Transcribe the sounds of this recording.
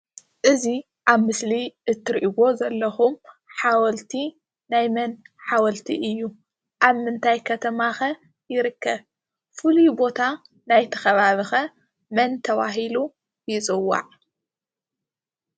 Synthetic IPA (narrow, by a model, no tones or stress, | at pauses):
ʔɨzi | ʔaβmɨsliʔɨt̪ʰːɨɾʔibo̞zɐlːɐxumħawɐlt̪ʰi | najmɐnħawɐlt̪ʰḭʔɨjːu | ʔaβmɨnt̪ʰajkʰɐt̪ʰɐmaxɐ | jɪɾɨkːɐβ | fɨlujbo̞t̪ʰa | najt̪ʰɐ̥xɐβaβɨxɐ | mɐnt̪ʰɐβa̰ɦilu | jɪt͡sʼɨwːa̰ʕ